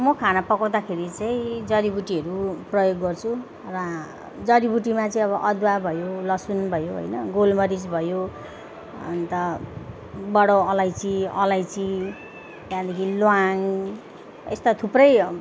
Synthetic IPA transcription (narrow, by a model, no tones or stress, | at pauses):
mʌkʰanapʌkaw̃d̪akʰeɾit͡sʌĩd͡zʌɾibuʈiʌɾuprʌjoɡːʌrt͡sʰu | rʌ | d͡zʌɾibuʈimat͡sʌĩʌβʌʔʌd̪wabʱʌjolʌsunbʱʌjoɦo̰jnʌɡolmʌɾid͡zbʱʌjo | ʌ̰nt̪ʌ | bʌɽoʌlajt͡siʌlajt͡si | jãd̪ʌkʰilwaŋ | ḛst̪at̪ʰuprʌj